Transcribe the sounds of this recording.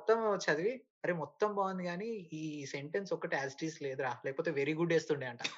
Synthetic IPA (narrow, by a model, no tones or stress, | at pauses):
t̪ːɐmt͡ʃɐd̪iʋi | ɐɾeːmɔt̪ːɐmbaːʋɐnd̪iɡaːniiːse̞ɳʈensɔkːɐʈiaːsʈiːsle̞ːd̪uɾaːlɛːkɐpoːt̪eːʋeɾiːɡuɖe̞ːst̪uɳɖiːɐɳʈaː